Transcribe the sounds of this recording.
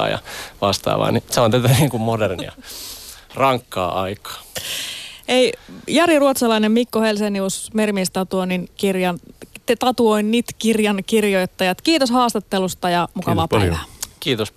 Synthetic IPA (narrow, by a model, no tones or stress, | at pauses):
ɑ̰ːjɑ̰ʋɑst̪ɑ̰ːʋɑ̰ːniseont̪æt̪æniːŋkummodernḭɑ̰ | rɑŋkːɑ̰ːʔɑikɑ̥ː | eijɑriruot̪sɑlɑinemmikːohelseniusmeɾimiest̪ɑt̪uoninkirjɑnt̪t̪ɑt̪uoinːit̪kirjɑnkirjoit̪ːɑjɑt̪kiːt̪oshɑːst̪ɑt̪ːelust̪ɑjɑmukɑʋɑːpææːkiːt̪os